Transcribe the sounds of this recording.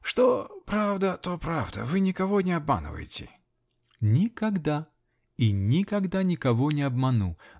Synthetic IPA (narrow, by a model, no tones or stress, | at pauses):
ʂt̪ɔpɾawd̪ɐt̪ɔpɾawd̪ɐ̰vɨnʲikavɔnʲɛabma̰nɨ̰və̰jɪt͡sʲɪ̰ | nʲikaɣd̪a | inʲikaɣd̪anʲikavɔnʲɛabmanu